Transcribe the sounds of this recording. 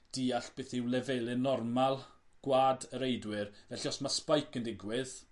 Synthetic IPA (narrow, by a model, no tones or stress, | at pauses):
d̥iːaɬb̥eːθɪwlɛvelˠɨnɔrmalˠ | ɡ̥waːdəɾejdwɪrvɛɬiɔsmaspajkʰəndɪɡwɪð